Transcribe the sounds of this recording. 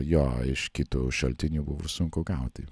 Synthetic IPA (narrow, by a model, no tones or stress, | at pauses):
joːɪʃkʲɪt̪uʃɐlʲt̪ʲɪnʲuːbʊʋʊsʊŋkʊɡɐˑʊt̪ʲɪ